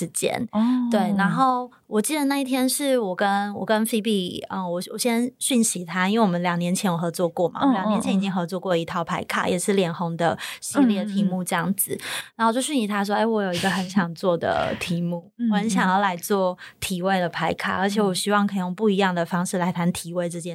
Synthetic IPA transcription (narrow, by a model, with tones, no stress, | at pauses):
ʂɻ̩˧˥t͡ɕjɛ̰˥nt̪we˥˩ɪna˧˥nxo˥˩ʊ | wɔ˨˩t͡ɕi˥˩d̪ə˩na˥˧i˥˩t̪ʰjɛ˥nʂɻ̩˥˩wɔ˨˩kə˦nwɔ˨˩kə˦nfi˥pi˥˧ə˧wɔ˨˩wɔ˨˩ɕjɛ˥nɕy˥˩nɕi˧˥t̪ʰa˥i˥nwe˥˩wɔ˨˩mə˦ljɑ˨˩ŋnjɛ˧˥nt͡ɕʰjɛ˧˥njo˨˩xɤ˧˥t͡swɔ˥˧kwɔ˥˩ma̰˩˨˦ljŋɛ˧˥nt͡ɕʰɛ˧˥ni˨˩t͡ɕi˦˥ŋxɤ˧˥t͡swɔ˥˧kwɔ˥˩i˧˥t̪ʰɑ˥˩ʊpʰa˧˥ɪkʰa̰˥˩jɛ˨˩ʂɻ̩˥˩ljɛ˨˩nxo˧˥ŋd̪ə̰˧ɕi˧˥ljɛ˥˩t̪ʰi˧˥mu˥˧ʈ͡ʂɤ˥˧jɑ˥˩ŋd͡zɹ̩˨˩na˧˥o˧˩t͡ɕjo˥˧ʊɕ̬y˥˨n˩ɕi˧˥t̪ʰa˥ʂ̬wɔ˥e˥˩ɪwɔ˧˥jo˨˩ʊi˧˥ɡə˧xə˧˥nɕʰjɑ˨˩ŋt͡swɔ˥˩d̪ə̰˩t̪ʰi˧˥mu˥˩wɔ˨˩xə˧˦nɕjɑ˨˩ŋjɑ˥˩ʊla˧˥ɪt͡swɔ˥˩t̪ʰi˨˩we˥˩ɪlə˩pʰa˧˥ɪkʰa̰˥˩ə˞˧˥t͡ɕʰjɛ˨˩˦wɔ˨˩ɕi˥wɑ˥˩ŋkʰə˧˩˨jo˥˧ŋpu˥˩i˧˥jɑ˥˩ŋd̪ə˩fɑ˥ŋʂɻ̩˥˩la˧˥ɪt̪ʰa˧˥nt̪ʰi˨˩we˥ɪʈ͡ʂ̩˥˧t͡ɕjɛ˥˦n